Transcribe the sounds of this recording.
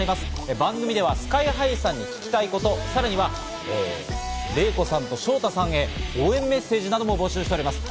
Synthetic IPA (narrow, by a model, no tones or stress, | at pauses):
ɾʲimasɨ̥ebãŋɡɯ̟mʲid̪e̞βasɨ̥kaiɦaisãɲ̟ːikʲi̥kʲi̥t̪aiko̞t̪o̞saɾaɲ̟iβa | ḛːɾe̞ːko̞sãnt̪o̞ɕo̞ːt̪asãɰ̃e̞oːẽ̞mːe̞se̞ːʑinad̪o̞mo̞bo̞ɕɨːɕt̪eɾʲimasɨ̥